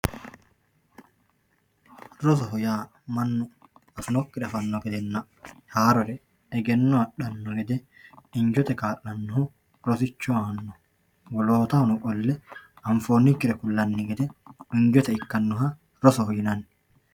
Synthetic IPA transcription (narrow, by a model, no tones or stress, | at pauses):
ɾɔs̬ɔɦɔjaː | mɐnːʊɐfʊnɔkːɪɾɐfɐnːɔɡɛd̪ɛnːɐ | haːɾɔɾɛ | ɛɡɛnːɔɐɗɐnːɔɡɛd̪ɛ | ɪɲd͡ʒɔt̪ɛkaːʔːɐnːɔhʊ | ɾɔsɪt͡ʃːɔanːɔ | wɔloːt̪ɐhʊnʊkʼɔlːɛ | ɐɱfoːnːikːɪɾɛkʊlːɐnːɪɡɛd̪ɛɪɲd͡ʒɔt̪ɛɪkːɐnːʊɦɐ | ɾɔsɔhɔjɪnɐn